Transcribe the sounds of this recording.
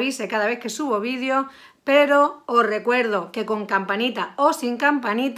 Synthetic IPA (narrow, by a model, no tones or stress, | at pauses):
βisekaðaβ̞eθkesuβoβið̞jo | peɾoorekweɾð̞okekõŋkampanit̪aosiŋkampanit̪